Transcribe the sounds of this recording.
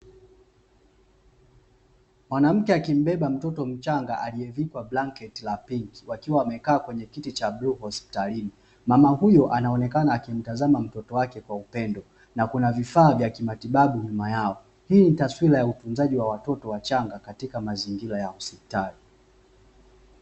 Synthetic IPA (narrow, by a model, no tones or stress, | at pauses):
mwanam̩kɛakim̩ɓɛɓam̩tɔtɔm̩t͡ʃaŋɡaʔaliɛvikwablaŋkɛtilapiŋki̥wakiwaːmɛkaːkwɛɲɛkitit͡ʃabluhɔspi̥talini | mamahujɔʔanaɔnɛkanaːkim̩tazamam̩tɔtɔwakɛkwaupɛndɔ | nakunavifaːvjakimatiɓaɓuɲumajaɔ | hiːnitaswilajautunzaʄiwawatɔtɔwat͡ʃaŋɡakatikamaziŋɡilajausipi̥tali